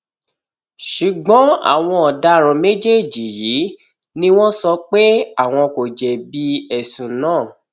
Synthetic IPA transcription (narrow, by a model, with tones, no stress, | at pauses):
ʃu˨ɡ͡bɔ̃˨˦a̰˦˨w̃ɔ̃˧ɔ˨da˧˦ɾ̃ɔ̃˧me˦d͡ʒe˦˨d͡ʒi˨ji˨˦ | nĩ˦w̃ɔ̃˦sɔ˧k͡pe˦a˦˨w̃ɔ̃˧ko˨d͡ʒɛ˨bi˦ɛ˦˨sũ˨nãː˦˨